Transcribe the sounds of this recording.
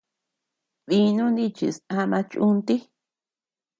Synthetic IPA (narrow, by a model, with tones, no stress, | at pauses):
βi˧nũ˦nd̪i˦t͡ʃḭ˨sa˦˧mã˧t͡ʃũ˦nt̪i˦